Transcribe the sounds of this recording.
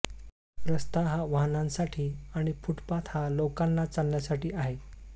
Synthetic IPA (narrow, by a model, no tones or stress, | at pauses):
pɾəst̪aɦaʋaɦnãnsaʈʰiːaɽ̃ifuʈpat̪halokãnːat͡salːjasaʈiːaɦe